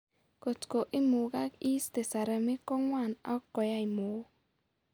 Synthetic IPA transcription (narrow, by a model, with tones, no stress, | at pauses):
ko˨tko˨ʔɪ˦mu˨ɡa˦ki˦ste˨sa˨ɾa˨mɪ˦kɔ˦ŋwa˦˨na̰˦kːɔ˨ja˦ɪ˨mo˨˦